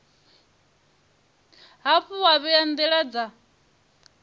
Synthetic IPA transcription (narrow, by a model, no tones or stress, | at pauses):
ɦaɸuwaβiand̪ɛɺad͡za